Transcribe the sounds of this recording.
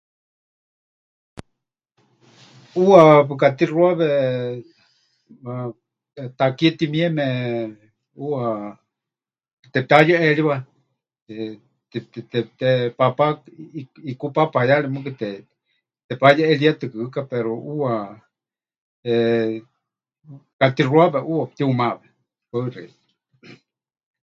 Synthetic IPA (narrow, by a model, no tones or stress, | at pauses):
uapɨkat̪iruaβɛ | a | t̪akiɛt̪imiɛmɛ | ua | t̪ɛpajaʔɛɺiβa | t̪ɛt̪ɛt̪ɛt̪ɛpapa | ikupapahajalimɨk̬ɨt̪ɛ | t̪ɛpajaɛliat̪ɨkɨɨkapɛɾoua | ɛ | kat̪iruaβɛʔuwat̪iumaβɛ | kaɨrɛ